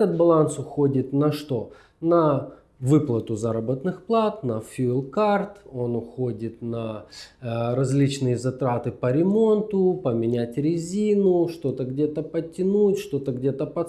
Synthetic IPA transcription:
ɛt̪ət̪̚bɐlˠansʊxo̞dʲɪt̪nɐʂt̪o̞ | nɐ | vɨplˠət̪ʊzaɾəbət̪nɨxplˠat̪nɐfʲulˠkart̪o̞nʊxo̞dʲɪt̪nɐ | ɾɐzʲlʲit͡ɕnɨjəzɐt̪ɾat̪ɨpəɾʲɪmo̞nt̪ʊpəmʲɪnʲætʲɾʲɪzʲinʊʂt̪o̞t̪əɡdʲe̞t̪əpətʲːɪnutʲʂt̪o̞t̪əɡdʲe̞t̪əpɐ

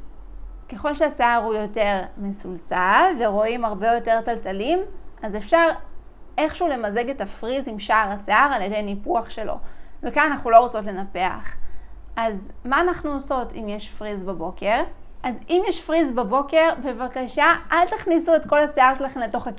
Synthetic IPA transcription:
ke̞χo̞lʃeaseaʁhujo̞te̞ʁmesulsalveʁo̞imaʁbe̞jote̞ʁtaltalimʔazefʃaʁ | ʔe̞χʃːle̞maze̞ɡetafʁizimʃaaʁaseaʁaljede̞jnipuaχʃe̞lo̞̰vekananaχnulo̞ʁot͡so̞tle̞nape̞a̰χazmaːnaχnuoso̞tḭmjeʃfʁizbabo̞ke̞ʁ | ʔazimjɛʃfʁizbabo̞ke̞ʁbe̞vakaʃaʔaltaχnisue̞tko̞lhaseaʁʃelaχe̞mle̞to̞χak

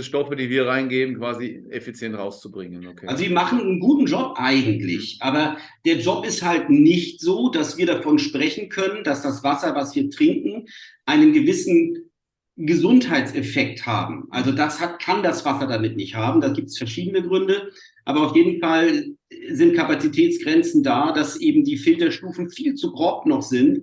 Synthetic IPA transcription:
ʃtɔfədiːviːɐʁaɪnɡeːbm̩kv̥aːziefit͡sjɛntʁaʊst͡subʁɪŋənʔkʰːalzoviːɐmaχn̩ənɡuːtn̩d͡ʒɔpʔaɪɡŋ̩tlɪ̰çʔaːbɐ | d̥eːɐd͡ʒɔpɪsthaltnɪçtz̥oːdasv̥iːɐɾafɔnʃpʁ̥ɛçn̩kʰœnəndasd̥asv̥asɐvasv̥iːɐtʁ̥ɪŋkŋ̩ʔaɪnənɡəvɪsn̩ | ɡəzʊnthaɪtt͡sɛfɛk̚tha̰ːbm̩ʔa̰lzodashatkʰandasv̥asɐdamɪtnɪçthaːbm̩daːɡiːp̚tə̥sfɛɐʃiːdənəɡʁʏndə | ʔaːbɐaʊfjeːdn̩fal | zɪnt̚kʰapat͡sitʰɛːt͡sɡ̥ʁɛnt͡sn̩daːdasʔeːbm̩diːfɪltɐʃtuːfn̩fiːlt͡suɡʁɔpnɔχz̥ɪnt

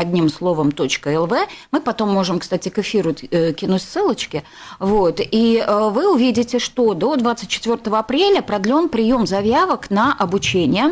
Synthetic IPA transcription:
ɐdʲnʲimslˠo̞vəmt̪o̞t͡ɕkəɛlˠvɛmɨpɐt̪o̞mːo̞ʐɨmkst̪atʲɪkɨfʲiɾʊkʲɪnutʲsːɨlˠət͡ɕkʲɪ | vot̪iəvɨʊvʲidʲɪtʲɪʂt̪o̞d̪o̞d̪vat̪sɨt̚ʲt͡ɕːɪ̥t̪vʲo̞rt̪əvəɐpɾʲelʲəpɾɐd̪lʲo̞npɾʲɪjo̞mzɐvʲjavəknəʔɐbʊt͡ɕenʲɪjə

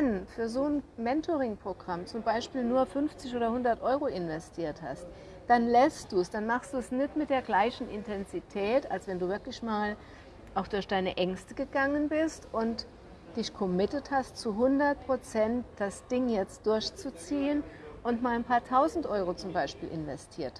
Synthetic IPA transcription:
anfyːɐzoːnmɛntʰoʁɪŋpʁ̥oɡʁamt͡sʊmbaɪʃpiːlnuːɐfʏnft͡sɪçʔoːdɐhʊndɐtʔɔʏʁoʔɪnvɛstʰiːɐtha̰st | d̥anlɛstd̥uːsd̥anmaχstd̥uːɛsnɪtmɪt̚d̥eːɐɡlaɪçn̩ʔɪntʰɛnzitʰɛːta̰lsv̥ɛnduːvɪɐklɪçmaːl | ʔaʊxd̥ʊɐçd̥aɪnəʔɛŋstəɡəɡaŋənbɪstʔʊnt | d̥ɪçkʰɔmɪtəthastt͡suɦʊndɐt̚pʁ̥ot͡sɛntd̥asd̥ɪŋjɛt͡std̥ʊɐçt͡sut͡siːənʔʊntmaːlanpʰaːɐtʰaʊzn̩tʔɔʏʁ̞ot͡sʊmbaɪʃpiːlʔɪnvɛstʰiːɐt

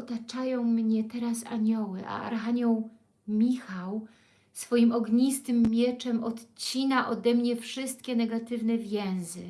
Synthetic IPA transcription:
ɔt̪at͡ʂajɔ̃w̃mɲɛt̪ɛɾasa̰ɲɔwɘʔa̰a̰ɾxaɲɔw | mʲixaw | sfɔjimɔɡɲist̪ɘmːʲjɛt͡ʂɛmɔt̪t͡ɕinaʔɔd̪ɛmɲɛfʂɘst̪̚kʲɛnɛɡat̪ɘvnɛvʲjɛ̃w̃zɘ

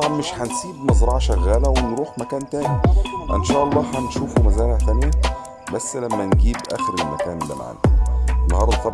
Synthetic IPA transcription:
ɑbʕɑnmɪʃħænsiːbmɑzˤɾˤɑːʕʃæɣːæːlæwenɾuːħmækæːnt̪æːniʔɪ̰nʃæːʔɑlˤːɑːħænʃuːfumæzæːlæt̪ænjæ | bæsːlæmːænɡiːbʔæ̰xeɾelmæ̰kæːnd̪æ̰ma̰ʕ̰nænːɑhɑːɾˤd̪ɑˤɑ

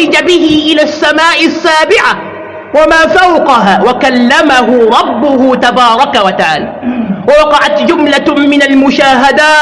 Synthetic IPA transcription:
ɪd͡ʒabɪɦɪʔɪlaːsːamaːʔɪsːaːbɪʕa | wamaːfawqɑɦaːwakalːamaɦʊɾˤɑbːʊhʊt̪abɑːɾˤɑkawat̪aʕa̰ːlaːwawɑqɑʕat̪d͡ʒʊmlamɪnalmʊʃaːɦad̪aː

